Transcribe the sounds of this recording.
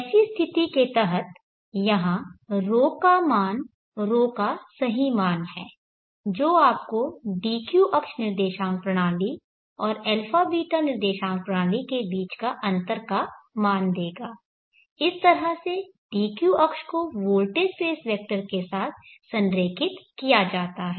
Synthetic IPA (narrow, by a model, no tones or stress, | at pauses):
sist̪ʰɪt̪iket̪ɦət̪ | jɐɦãɾoːkamaːn | ɾoːkasɐɦimaːnɦɛː | d͡ʒoːaːp̚koɖiːkjuʔɐkʃnɪɾd̪eːʃãːŋ̚pɾɐɽ̃aːli | ɔːɾɛːlfʰaːbiːʈanɪɾd̪eːʃãːŋ̚pɾɐɽ̃aːlikebiːt͡ʃkaʔɐ̃nt̪əɾkamaːnd̪eːɡaː | ɪst̪ɐɾɦəse | ɖiːkjuʔɐkʃkoʋoːlʈespeːsʋɛːk̚ʈəɾkesaːt̪ʰsɐ̃nɾeːkʰɪt̪kijad͡ʒaːt̪aɦɛː